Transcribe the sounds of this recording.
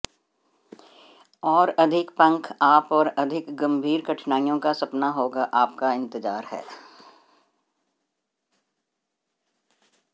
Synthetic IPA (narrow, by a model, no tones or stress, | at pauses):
ɔːɾɐd̪ʱɪkpɐ̃ŋkʰaːpɔːɾɐd̪ʱɪkɡɐ̃mbʱiːɾkɐʈʰnaːijõkasɐpnaɦoːɡaʔaːpkaɪ̃nt̪ɪzaːɾɦɛ̰ː